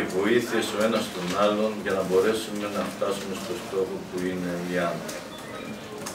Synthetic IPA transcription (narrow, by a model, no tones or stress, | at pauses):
vo̞iθieso̞e̞nɐst̪o̞nɐlo̞nʝɐnɐbo̞ɾe̞sume̞nɐft̪ɐsume̞st̪o̞st̪o̞xo̞puine̞iɐnḛ